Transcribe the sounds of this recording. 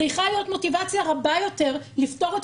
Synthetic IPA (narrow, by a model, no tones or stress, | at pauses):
ʁiχalijo̞tmo̞tivat͡sjaʁabajo̞te̞ʁlifto̞ʁet